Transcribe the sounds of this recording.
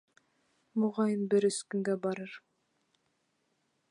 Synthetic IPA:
muʁɑjɤnbɘɾɵ̆skɵ̆ŋɡæbɑɾɤɾ

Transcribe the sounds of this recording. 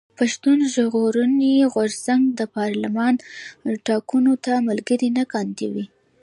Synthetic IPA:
paʃt̪unʒɣoɾuniɣʊɾzaŋɡd̪əpɑɾlamɑnʈɑkunot̪amalɡəɾinakɑnd̪iwi

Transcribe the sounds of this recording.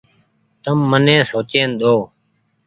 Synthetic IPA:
t̪əmːənẽːsoːt͡ʃẽːnɗ̪oː

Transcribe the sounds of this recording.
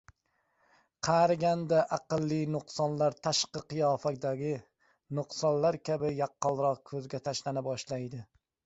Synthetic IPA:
qʰɑɾɡʲand̪aʔaqɨlˠːinʊqsɒnlaɾt̪ʰaʃqɨqɨjɒfak̚ʲd̪aɡʲɪ | nʊqsɒnlaɾkʲʰabɪjaqːɒlˠɾɒq̚kʰɵzɡʲat̪ʰaʃlanɪbɒʃlajd̪ɪ

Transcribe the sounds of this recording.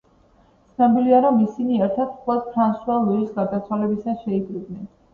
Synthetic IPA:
t̪sʰnabiliaɾɔmisiniɛɾt̪ʰat̪χɛd̪̚pʰɾansualˠuisɡaɾd̪at̪sʰwalɛbisasʃɛiɡɾib̪nɛn

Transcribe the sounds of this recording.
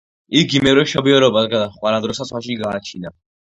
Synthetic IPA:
iɡimɛvɾɛʃɔbiɔɾɔbasɡad̪aχʼwaɾad̪ɾɔsasχaʃ̬iɡaːt͡ʃʰina

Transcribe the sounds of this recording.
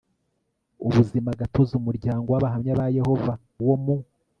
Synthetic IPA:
uβuzimaɡatʰo̞zumuɾɟaːŋɡowaβaɦamɲaβaje̞ho̞va | wo̞mu

